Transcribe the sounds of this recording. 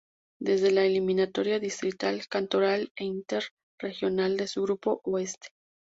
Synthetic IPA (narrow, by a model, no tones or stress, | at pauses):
d̪e̞zðe̞laelimĩnat̪o̞ɾjaðist̪ɾit̪alkant̪o̞ɾale̞int̪e̞ɾ | re̞xjo̞nald̪e̞suɣɾupo̞ʔoe̞st̪e̥